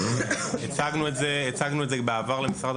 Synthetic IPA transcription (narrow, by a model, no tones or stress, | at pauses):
et͡saɡnuetzeet͡saɡnuetzebeavaʁlemisʁad̪